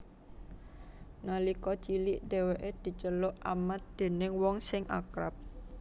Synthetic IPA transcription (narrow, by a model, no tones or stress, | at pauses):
nalikɔt͡ʃiliʔd̪̥e̤weʔed̪̥i̤t͡ʃəlʊʔamat̪̚d̪̥e̤nɪŋwɔŋsɪŋʔa̰kɾap̚